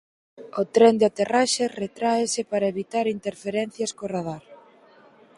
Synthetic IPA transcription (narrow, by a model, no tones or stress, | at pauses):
ot̪ɾɛnd̪eat̪eraʃeret̪ɾaesɪpaɾɐeβit̪aɾint̪eɾfeɾen̟θjaskoraðaɾ